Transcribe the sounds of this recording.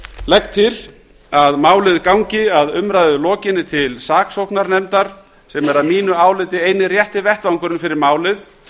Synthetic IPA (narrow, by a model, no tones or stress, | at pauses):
lɛk̚t̪ʰːɪl | aðmaːwlɪðkawɲcɪaðʏmɾajðʏlɔːcɪnːɪt̪ʰɪlsaːksowknaɾnɛmt̪aɾ̥ | sɛmɛɾaðmiːnʏaːwlɪt̪ɪeːjnɪrjɛht̪ɪvɛht̪vawŋkʏɾɪnfɪɾɪɾmaːwlɪð